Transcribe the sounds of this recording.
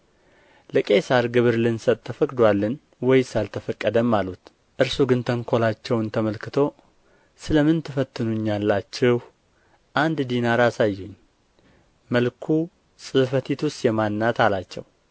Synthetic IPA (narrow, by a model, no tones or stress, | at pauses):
ləkʼe̞saɾɡɨβɨɾlɨnsət̪ʼt̪ʰːəfəkʼd̪walːən | wɔjsalt̪ʰəfəkʼːəd̪əmːalut̪ | ʔɨɾsuɡɨnt̪ʰəŋkʰo̞lat͡ʃːɛwnt̪ʰəməlkɨt̪ʰo̞ | sɨləmɨnt̪ʰɨfət̪ʰːɨnuɲːalːat͡ʃːɛhw | ʔand̪d̪inaɾasajːuɲː | məlkʰu | sʼɨfət̪ʰit̪ʰust̪jɛmanːat̪alat͡ʃːɛ̰w